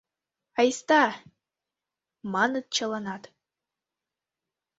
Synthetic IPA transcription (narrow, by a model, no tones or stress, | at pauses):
ɑjst̪ɑ | mɑnɨt̪̚t͡ɕalˠɑnɑt̪